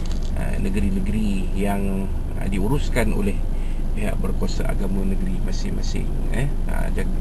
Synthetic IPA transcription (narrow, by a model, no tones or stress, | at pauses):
ə̰ | nəɡəɾinəɡɾi | jaŋ | ədiuɾuskano̰lɛh | piɦa̰ʔbərkuasa̰ʔa̰ɡamãnəɡɾimasɪŋmasɪ̰ŋ | ə̰ | ə̰d͡ʒa